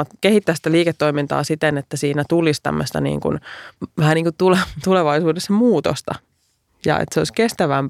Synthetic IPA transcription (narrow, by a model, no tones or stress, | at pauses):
ɑt̪kehit̪ːæːsi̥t̪æliːket̪ːoimint̪ɑ̰ːsit̪enet̪ːæsiːnæt̪ulist̪æ̰mːøst̪ɑ̰nḭːŋkṵnʋæhæniːŋkut̪ulet̪uleʋɑisuːdesːɑmuːt̪o̰st̪ɑ̰ | jɑ̰ḛt̪seoiskest̪æʋæmp